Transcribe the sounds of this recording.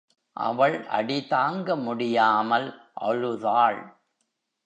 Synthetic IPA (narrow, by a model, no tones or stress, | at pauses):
ʔɐ̰ʋɐɭʔɐ̰ɽɪtaːŋɡɐmʊɽɪjaːmɐl | ʔɐ̰ɻɯðaːɭ